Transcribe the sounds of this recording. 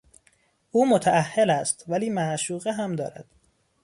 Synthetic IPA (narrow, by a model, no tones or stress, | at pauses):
ʔuːmot̪ʰæʔæhːelæst̪væliːmæʔʃuːɣeɦæmd̪ɒ̰ːɾæ̰d̪̥